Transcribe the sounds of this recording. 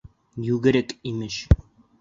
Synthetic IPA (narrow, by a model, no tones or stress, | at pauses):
jʉɡɘ̆ɾɘkimɘɕ